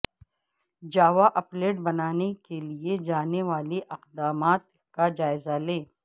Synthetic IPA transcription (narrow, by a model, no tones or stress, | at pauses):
d͡ʒaːʋaʔɐpleːʈbɐnaːnekelied͡ʒaːneʋaːliʔɐqd̪aːmaːt̪ | kad͡ʒaːɪzalẽː